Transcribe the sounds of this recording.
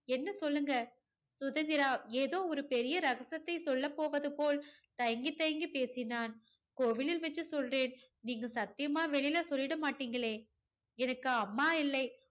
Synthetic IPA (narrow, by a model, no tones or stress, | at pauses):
ɛnːɐsɔlːɯŋɡɐ | sʊðɐnd̪ɪɾaːeːðoːɔɾɯpɛɾɪjɐɾɐɣɐsɐt̪ːɐɪsɔlːɐpːoːʋɐðɯpoːlt̪ɐjɐŋɡit̪ːɐjɐŋɡipeːsɪnaːn | koːʋɪlɪlʋɐt͡ʃːɯsɔlreːn | niːŋɡɐsɐt̪ːɪjɐmaːʋɛɭɪjlɐsɔlːɪɽɐmaːʈːiːŋɡɐɭeː | ɛnɐkːɯɐmːaːɪlːɐɪ